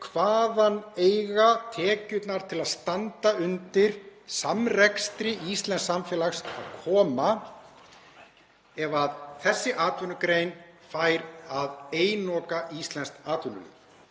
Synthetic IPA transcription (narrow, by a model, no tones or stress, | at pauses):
kʰvaːðaneːjɣat̪ʰɛːcʏt̪naɾ̥t̪ʰɪlaðst̪ant̪aʏnt̪ɪɾ̥samrɛkst̪ɾɪist̪lɛnsamfjɛːlaxsa̰ðkʰɔːma | ɛvaðθɛsːɪʔaːt̪vʏnʏkɾeːjnfajɾaðeːjnɔːkaʔist̪lɛnst̪aːt̪vʏnʏ̰lɪ̰